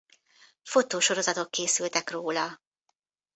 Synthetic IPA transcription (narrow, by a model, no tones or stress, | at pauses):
fo̞t̪oːʃo̞ɾo̞zɒt̪o̞kkeːsylt̪ɛkroːlɒ